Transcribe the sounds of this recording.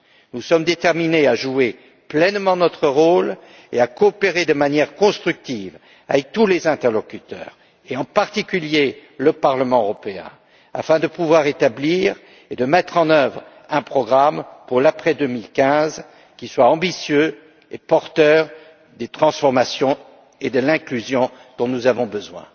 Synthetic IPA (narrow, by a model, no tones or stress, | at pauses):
nusɔmd̪et̪ɛʁmineaʒue | plɛnmɑ̃nɔt̪χəʁol | eakɔːpeʁed̪əmanjɛʁkɔ̃st̪χyk̚t̪iv | a̰vɛk̚t̪ulezɛ̃t̪ɛʁlɔkʲyt̪œ̰ːʁ | eɑ̃paʁt̪ikʲyljeləpaʁləmɑ̃øʁɔpeɛ̰̃ | a̰fɛ̃d̪əpuvwaʁet̪abliʁ | ed̪əmɛt̪χɑ̃nœvʁ | ɛ̃pχɔɡʁampuʁlapχɛd̪ømilkʲɛ̃z | kʲiswaɑ̃bisjø | epɔʁt̪œʁ | d̪et̪χɑ̃sfɔʁmasjɔ̃ | ed̪əlɛ̃klyzjɔ̃ | d̪̥ɔ̃nuzavɔ̃bəzwɛ̰̃